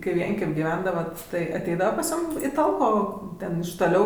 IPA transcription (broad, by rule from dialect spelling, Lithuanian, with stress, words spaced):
kɐɪ ˈʋʲiɛŋʲkʲɛmʲ ɡʲɪˈʋʲɛndɐʋɐt tɐɪ ɐˈtʲɛɪdɐʋɐ pɐs ˈjuːm iː ˈtɐlˠkoː ˈtʲɛn ɪʃ toːˈlʲɛʊ